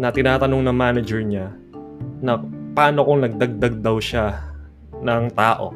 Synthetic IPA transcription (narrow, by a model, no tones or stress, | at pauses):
nɐt̪ɪnaːt̪ɐno̞ŋnɐŋmaːnɐd͡ʒɛɹɲa | nɐpɐaːnokoŋnɐɡ̚d̪ɐɡ̚d̪ɐɡ̚d̪ɐwʃa | nɐŋt̪aːʔo̞̰